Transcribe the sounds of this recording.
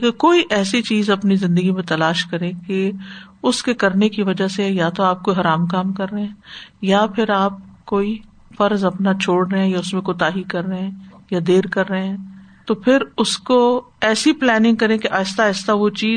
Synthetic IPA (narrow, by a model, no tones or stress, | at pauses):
kekoːiʔɛːsit͡ʃiːzɐpnizɪ̃nd̪əɡimẽt̪ɐlaːʃkɐɾẽke | ʊskekɐɾnekiʋɐd͡ʒasejat̪oaːp̚koːiɦɐɾaːmkaːmkɐɾːeɦɛ̃ːjapʰɪɾaːp̚koːi | fɐɾzɐpnat͡ʃʰoːɽɾeɦɛ̃jaʊsmẽkot̪aːɦikɐɾːeɛ̃jad̪eːɾkɐɾːeɛ̃ːt̪oːpʰɪɾʊsko | ɛːsiplɛːnɪ̃ŋɡ̚kɐɾẽkeʔaːɪst̪aːɪst̪aʋot͡ʃiː